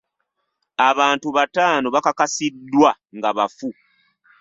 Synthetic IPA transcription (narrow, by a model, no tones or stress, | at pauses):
aβaːntuβataːnoβakakasidːwa | ŋɡaβafu